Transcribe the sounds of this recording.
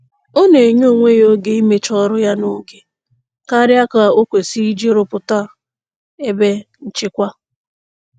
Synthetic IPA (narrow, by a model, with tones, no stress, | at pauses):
o˦ne˨ɲo˦˨ŋʷe˦jo˦ɡe˨i˦me˦t͡ʃɔ˦ɾʊ˦ja˦no˦ɡe˨ | ka˦ɾɪ˦a˦ka˨o˦kʷe˨si˦d͡ʒi˦ɾʊ˦pʊ˨ta˦ | e˦be˦n̩˨t͡ʃɪ˦kʷa˦